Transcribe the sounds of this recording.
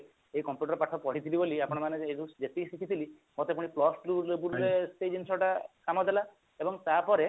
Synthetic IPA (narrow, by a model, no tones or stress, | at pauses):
eikɔmpjuʈɔɾpaʈʰɔpɔɽ̤it̪ʰiliboliapɔɽ̃ɔmaneeɡud͡ʒet̪isikʰit̪ʰili | mot̪epuɽ̃iplɔsʈlubulesʈed͡ʒinsɔʈakamɔd̪ela | ebɔŋt̪apɔɾe